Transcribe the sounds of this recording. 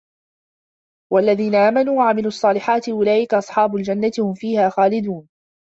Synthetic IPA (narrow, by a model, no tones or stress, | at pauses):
walːaðiːnaʔaːmanuːwaʕamɪluːɑsˤːɑːlɪħaːt̪ɪʔʊlaːʔɪkaʔɑsˤħɑːbʊld͡ʒanːat̪ɪhʊmfiːhaːxaːlɪd̪uːn